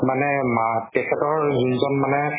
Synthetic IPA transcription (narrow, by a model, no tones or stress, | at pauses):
manɛmatɛkʰɛtɔɹzunzɔnmanɛ